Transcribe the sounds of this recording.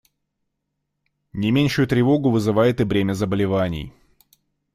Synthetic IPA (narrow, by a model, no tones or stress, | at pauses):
nʲɪmʲenʲʂʊjʊt̪ɾʲɪvo̞ɡʊvɨzɨvajɪt̪ɨvɾʲemʲəzəbəlʲɪvanʲɪ̰j